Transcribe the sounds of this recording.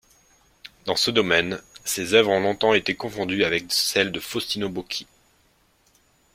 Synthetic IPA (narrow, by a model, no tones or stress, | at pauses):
d̪ɑ̃səd̪ɔmɛnsezœvʁɔ̃lɔ̃t̪ɑ̃et̪ekɔ̃fɔ̃d̪yavɛk̚sɛld̪əfɔst̪inobokʲʰi̥